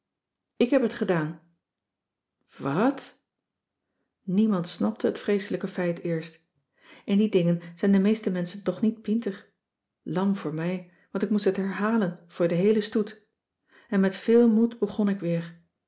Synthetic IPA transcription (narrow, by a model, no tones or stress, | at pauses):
ɪkɦɛpɦətχədaːn | ʋɑt | nimɑntsnɑp̚təɦətfrejsələkəfɛjtɪːɹst | ʔɪndidɪŋənz̥ɛjndəmejstəmɛnsəntɔχnit̚pintəχ | lɑŋvʊːɹmɛj | ʋɑntɪkmustɦətɦɛɹɦaːlənv̥ʊːɹdəɦejləstut | ɛnmɛtfɪːlˠmudbəχɔnɪkʋɪːɹ